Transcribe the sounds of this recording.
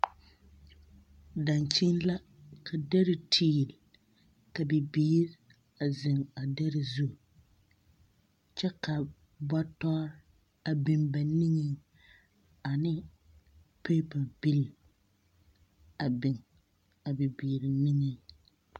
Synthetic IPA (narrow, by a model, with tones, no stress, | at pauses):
da˨nt͡ʃi˦n˦la˦ | kʰa˨dɛ˦ɾɪ˨tʰiː˦˨l | ka˨bɪ˨biː˦ɾɪ˦ | a˨zɪ˨ŋa˨dɛ˦ɾɪ˦zu˦˨ | t͡ʃɛ˦ka˨ | ba˦tɔ˦ɾ | a˨bɪ˨mba˨nɪ˦ŋɛ˦ | a˨nɪ˦ | pe˦pa˨lbi˦l | a˨bɪ˨ŋ | a˨bɪ˨biː˨ɾɪ˨nɪ˦ŋɛ˦